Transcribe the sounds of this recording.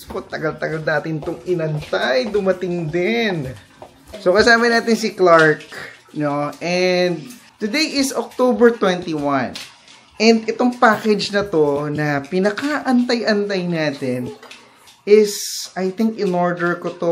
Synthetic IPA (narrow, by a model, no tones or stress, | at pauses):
spot̪ɐɡɐlt̪ɐɡɐlnaːt̪ɪnt̪oŋʔɪnɐnt̪ajd̪ʊmɐt̪ɪŋd̪ɪn | sokɐsaːmɐnaːt̪ɪnsɪklaɹknoʔɛnd̪̚t̪ʊd̪ejʔɪsok̚t̪obɛɹt̪wɛ̃nt̪iwɐ̃n | ʔɛnd̪ɛt̪o̞ŋpaːkɛd͡ʒnɐt̪o̞nɐpɪnɐkaʔɐnt̪ajʔɐnt̪ajnaːt̪ɪn | ɪsʔajθɪŋkɪnoɹd̪ɛɹkot̪o